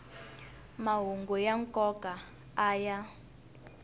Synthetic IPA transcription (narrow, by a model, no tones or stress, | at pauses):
maɦuŋɡɔjaŋkʼɔka | aːja